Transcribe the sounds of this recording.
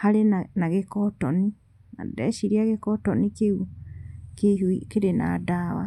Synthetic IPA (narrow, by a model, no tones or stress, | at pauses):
haɾenanaɣekɔtɔni | na̰dɛʃiɾiaɣekɔtɔnikeu | keiɦuikeɾena̰daːwa̰